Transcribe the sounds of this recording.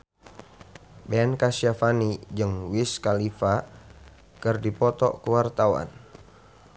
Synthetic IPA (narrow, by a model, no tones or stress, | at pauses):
bɛnkasiafanid͡ʒɨŋwiskalifa | kɨrdipɔt̪ɔ̰kuwart̪awa̰n